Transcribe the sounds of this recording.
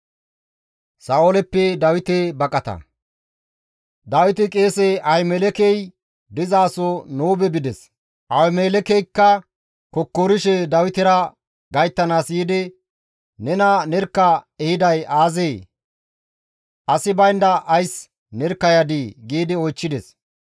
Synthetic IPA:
saːʔolɛpːɛd̪ɐwɪt̪ebɐkʼːɐt̪ɐ̰ | d̪ɐwɪt̪ɪkʼeːseʔɐjmelɛkɛj | d̪ɪzaːsɔnoːbɛbɪd̪ɛs | ʔɐwmeːlɛkɛjkːɐ | kɔkːoɾɪʃɛd̪ɐwɪt̪ɛɾɐ | ɡɐjt̪ːɐnaːsiːd̪ɪ | nɛnɐnɛɾkːɐɛhɪd̪ɐjaːzeː | ʔɐsɪbɐjnd̪ɐʔːjs | nɛɾkːɐjad̪iɡiːd̪ɪɔjt͡ʃːɪd̪ɛs

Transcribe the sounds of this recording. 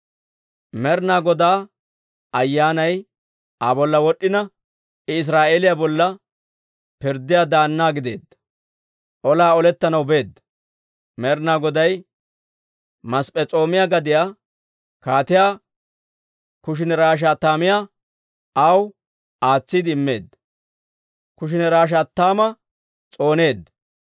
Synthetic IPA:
mɛɾnaːɡɔd̪aː | ɐjːaːnɐj | abɔlːɐwɔɗːɪnɐ | ɪs̬ɾaːʔeːlɪjabɔlːɐ | pɪɾd̪ːɪjaːd̪aːnːaːɡɪd̪e̞̰ːd̪ɐ | ʔɔlaːɔlɛt̪ːɐnɐwbe̞ːd̪ːɐ | mɛɾnaːɡɔd̪ɐj | mɐspʼɛt͡sʼo̞ːmɪjaɡɐd̪ɪjaː | kaːt̪ɪjaː | kʊʃ̬ɪnɛɾaːʃ̬aːt̪ːaːmɪjaː | ʔɐw | aːt͡sːid̪ɪɪmːe̞ːd̪ː | kʊʃ̬ɪnɛɾaːʃ̬aːt̪ːaːmɐ | t͡sʼo̞ːne̞ːd̪ːɐ

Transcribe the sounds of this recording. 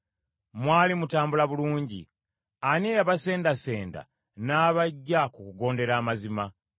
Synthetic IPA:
mwaːlimutaːmbulaβuluːɲɟḭ | aneaβase̞ːndase̞ːnda̰ | naːβaɟːakukuɡo̞ːnde̞ɾaːmazima

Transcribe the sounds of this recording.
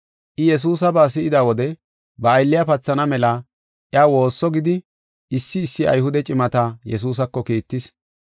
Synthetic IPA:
ʔɪjɛs̬uːs̬ɐbaːs̬ɪʔɪd̪aːwɔd̪ɛ | bɐːjlːɪjapɐt͡sːɐnɐmɛla | ʔjɪaːwo̞ːsːɔɡɪd̪ɪ | ɪsːɪːsːɪʔɐ̰jɦʊd̪ɛt͡ʃʼɪmɐt̪ajɛs̬uːs̬ɐkːɔkiːt̪ːɪs

